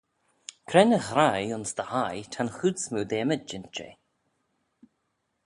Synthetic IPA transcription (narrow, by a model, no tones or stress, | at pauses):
kʰɾɛnəxɾajʊnsd̪əhajt̪ʰanxud̪smuːd̪ɛːməd͡ʒɪntt͡ʃḛ